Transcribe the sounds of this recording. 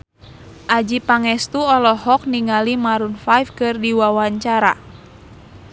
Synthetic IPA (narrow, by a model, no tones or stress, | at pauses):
ʔad͡ʒipaŋɛst̪uɔlɔɦɔk̚niŋalimaɾunfajfkɨrdiwawaɲt͡ʃaɾa̰